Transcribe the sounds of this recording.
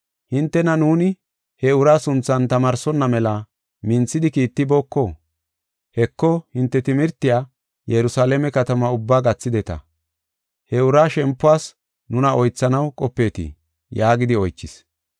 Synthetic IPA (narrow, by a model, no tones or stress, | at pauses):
hɪnt̪ːɛnɐnuːnɪ | hɛʊɾaːsʊnt͡sːɐnt̪ɐmaːɾsɔnːɐmɛlɐ | mɪnt͡sːɪd̪ɪkiːt̪ːɪbo̞ːkːɔ | hɛkːɔhɪnt̪ːɛt̪ɪmɪɾt̪ːɪjaː | jɛɾʊsaːlɛmɛkɐt̪ɐmɐʊbːaːɡɐt͡sːɪd̪ɛt̪ɐ̰ | hɛʊɾaːʃɛmpːʊaːs | nʊnɐʔɔjt͡sːɐnɐwkʼɔpːe̞ːt̪ɪ̰ | jaːɡɪd̪ɪɔjt͡ʃːɪs